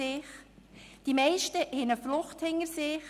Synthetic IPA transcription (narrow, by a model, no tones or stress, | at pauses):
ɪχ | d̥imɛɪʃtəʔɛnəflʊχthɪŋəɾsɪχ